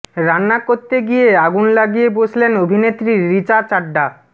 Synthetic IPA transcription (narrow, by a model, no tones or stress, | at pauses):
ɾanːakot̪ːeɡijeaɡunlaɡijebod͡ʑʰlenobʱinet̪ːɾiːit͡ɕat͡ɕaɖːa